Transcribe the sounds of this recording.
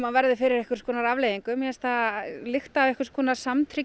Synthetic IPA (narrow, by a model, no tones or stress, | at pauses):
manvɛɾðɪfɪɾɪɾɛhkʏɾ̥skʰɔːnaɾavlejðiŋkʏmjɛɛst̪alɪxt̪aːvɛhkɪ̥skʰɔnaɾ̥samt̪ʰɾi